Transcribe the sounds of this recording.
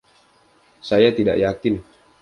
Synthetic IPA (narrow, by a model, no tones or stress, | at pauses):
sajat̪ida̰ʔjakɪn